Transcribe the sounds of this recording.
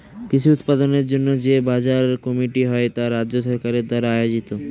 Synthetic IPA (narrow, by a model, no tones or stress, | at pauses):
kit͡ɕʰuut̪pad̪oneɾd͡ʑonːod͡ʑebad͡ʑaɾkɔmiʈiɦɔet̪aɾadoʃɔɾkaɾeɾd̪ɔɾaajod͡ʑit̪o